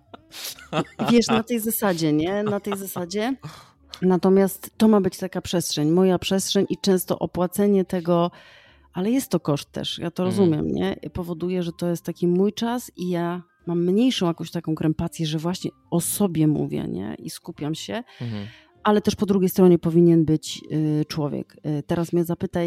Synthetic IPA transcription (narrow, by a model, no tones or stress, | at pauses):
vʲjɛʂnat̪ɛjzasad͡ʑɛɲɛnat̪ɛjzasad͡ʑɛ | nat̪ɔmʲjast̪t̪ːɔmabɘt͡ɕt̪akapʂɛstʂɛɲmɔjapʂɛstʂɛɲʔit͡ʂɛ̃w̃st̪ɔ̰ʔɔpwat̪sɛɲɛt̪ɛɡɔ | ʔalɛjɛst̪ːɔkɔʂt̪ːɛ̰ʂja̰t̪ɔɾɔzumʲjɛ̰mɲɛ̰pɔvɔd̪ujɛʐɛt̪ɔjɛst̪ːakʲimujt͡ʂasija | mamːɲejʂɔ̃w̃jakɔ̃w̃ɕt̪akɔ̃w̃kɾɛmpat̪sʲjɛʐɛvwaɕɲɛ̰ | ɔsɔbʲjɛmṵvʲjɛ̰ɲɛ̰ʔḭskupʲjamɕɛ | alɛt̪ɛʂpɔd̪ɾuɡʲejst̪ɾɔɲɛpɔvʲiɲɛnbɘt͡ɕt͡ʂwɔvʲjɛ̰kt̪ɛɾasmʲjɛzapɘt̪aj